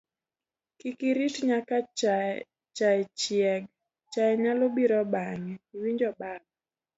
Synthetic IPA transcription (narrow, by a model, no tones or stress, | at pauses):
kikiɾitɲaka | t͡ʃaɛt͡ʃjɛɡ | t͡ʃaɛɲalobiɾɔbaŋɛiwiɲd͡ʒɔbab̚